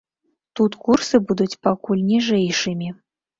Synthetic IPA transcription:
t̪ut̪kursɨbud̪utʲpakulʲnʲiʐɛjʂɨmʲi

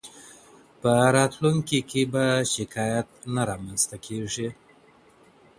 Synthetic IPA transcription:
pəɾɑt̪luŋkikʰebaʃɪkʰɑjat̪̚naɾɑmanst̪akʰeʐi

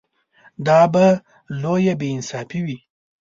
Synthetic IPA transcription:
d̪ɑba | lojabeɪnsɑfiwi

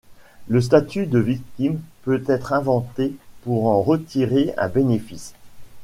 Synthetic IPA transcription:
ləs̬t̪at̪yd̪əvik̚t̪impøt̪ɛt̪χɛ̃vɑ̃t̪epuʁɑ̃ʁət̪iʁeɛ̰̃benefis

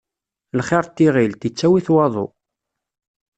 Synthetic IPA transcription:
lχɪɾˤt̪ːiʁilt̪it͡sːæwiθwɑðˤo̰

